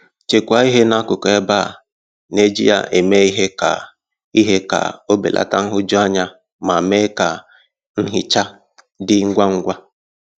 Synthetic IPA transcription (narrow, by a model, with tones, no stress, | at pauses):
t͡ʃe˨kʷa˨˦i˦ɦe˦na˦kʊ˨kɔ˨ɛ˦ba˦˨ | ne˦d͡ʒḭ˦ja̰˨ʔe˨me˦i˦ɦe˦ka̰˨ | i˦ɦe˦ka̰˨o˦bḛ˨lʔa̰˨ta˦ŋ̩˦ɦʊ˦d͡ʒɔ˦a˦ɲa˦ | ma˨me˦ka˨ | ŋ̩˦ɦɪ˨t͡ʃa˦ | dɪ˦ŋ̩˦ɡʷa˦ŋ̩˦ɡʷa˦